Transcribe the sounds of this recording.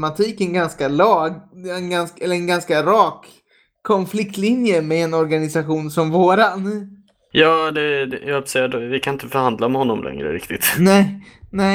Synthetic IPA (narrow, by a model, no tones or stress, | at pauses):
mat̪ʰiːkɛnɡanskalɑːɡɛnɡansɛlːəɛnɡanskaɾɑːkʰː | ɔnflɪkt̪lɪnjəmɛɛnɔɾɡanɪsaɧuːnsɔmvoːɾan | jɑːd̪ɛjɑsɛad̪vɪkʰanɪnt̪əfœɾhand̪lamɛhɔnːɔmlʔɛ̰ŋɾə̰ɾɪ̰kt̪ɪt̪nɛnɛ